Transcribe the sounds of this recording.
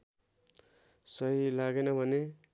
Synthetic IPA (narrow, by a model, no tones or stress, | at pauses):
sʌjlaɡenʌbʱʌne